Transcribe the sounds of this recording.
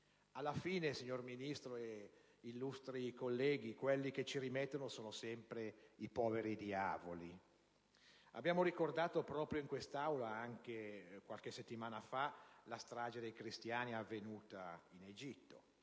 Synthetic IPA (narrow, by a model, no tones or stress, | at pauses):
alːafiːnesiɲːorminist̪ɾoe | ilːust̪ɾikolːɛːɡ̟ikwelːiket͡ʃiɾimɛt̪ːonosoːnosɛmpɾeipɔːveɾid̪ia̰ːvo̰li | a̰bːjaːmoɾikord̪aːt̪opɾɔːpɾjoiŋkwest̪awlaaŋk̟ekwalk̟eset̪ːimaːnafalast̪ɾaːd͡ʒed̪ejkɾist̪jaːniavːenuːt̪ained͡ʒit̪ːo